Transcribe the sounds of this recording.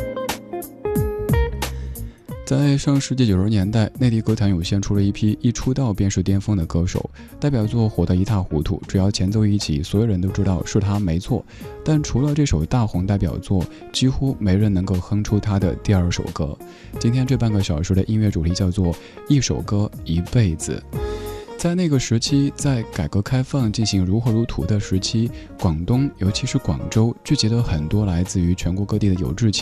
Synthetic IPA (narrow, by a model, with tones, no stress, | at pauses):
t͡sa˥˩ɪʂɤ˥˧ŋʂɻ̩˧˥t͡ɕi˥˩t͡ɕjo˨˩ʂɻ̩ə˧˥njɛ˧˥nt̪a˥˧ɪne˥˧ɪt̪i˥˩kɤ˥t͡sʰa˧˥njo˨˩ʊɕjɛ˥˩nʈ͡ʂʰu˥lə˧i˥˩pʰi˥i˥˩ʈ͡ʂʰu˥t̪ɑ˥˧ʊpjɛ˥˧nʂɻ̩˥˩t̪jɛ˥nfɤ˥ŋd̪ə˨kɤ˥ʂo̰˨˩˦ʊ | t̪a˥˩ɪpjɑ˨˩ʊt͡swɔ˥˩xwɔ˨˩d̪ə˧˥i˧˥t̪a˥˩xu˧˥t̪ʰṵ˥˩ʈ͡ʂu˨˩jɑ˥˩ʊt͡ɕʰjɛ˧˥nt͡so˥ʊi˥˩t͡ɕʰḭ˨˩˦swɔ˧˥jo˨˩ɻə˧˥nt̪o˥ʊʈ͡ʂɻ̩˥t̪ɑ˥˧ʊʂɻ̩˥˩t̪ʰa˥me˧˥ɪt͡sʰwɔ˥˩ | t̪a˥˩nʈ͡ʂʰu˧˥lə˧ʈ͡ʂɤ˥˩ʂo˨˩ʊt̪a˥˩xʊ˧˥ŋt̪a˥˩ɪp̬jɑ̰˨˩ʊt͡swɔ˥˩ | t͡ɕi˥xu˥me˧˥ɪɻə˧˥nɤ˧˥ŋko˥˩ʊxɤ˥ŋʈ͡ʂʰu˥t̪ʰa˥d̪ə̰˨t̪i˥˧ɐ˞˥˩ʂo̰˨˩ʊkɤ˥ | t͡ɕi˥nt̪ʰjɛ˥nʈ͡ʂɤ˥˧pa˥˩nɡə˩ɕjɑ˨˩ʊʂɔ˧˥d̪ə˧ʔi˥nɥɛ˥˩ʈ͡ʂu˨˩t̪ʰi˧˥t͡ɕjɑ˥˧ʊt͡swɔ˥˧ | i˥˩ʂo˨˩ʊkɤ˥i˧˥pe˥˩ɪd͡zɹ̩̰˩ | t͡sa˥˧ɪna˥˩ɡə˩ʂɻ̩˧˥t͡ɕʰi˥t͡sa˥˩ɪka˨˩ɪkɤ˧˥kʰa˥ɪfɑ˥˧ŋt͡ɕi˥˩nɕi˧˥ŋɻu˧˥xɤ˧˥ɻu˧˥t̪ʰu˧˥d̪ə˧ʂɻ̩˧˥t͡ɕʰi˥ | kwɑ˨˩ŋt̪ʊ˥ŋjo˧˥ʊt͡ɕʰi˧˥ʂɻ̩˥˩kwɑ˨˩ŋʈ͡ʂo˥ʊt͡ɕy˥˩t͡ɕi˧˥d̪ə˧xə˨˩nt̪wɔ˥la˧˥ɪt͡sɹ̩˥˧y˧˥t͡ɕʰɥɛ˧˥nkwɔ˧˥kɤ˥t̪i˥˩d̪ə˩jo̰˨˩ʊʈ͡ʂɻ̩˥˩t͡ɕʰ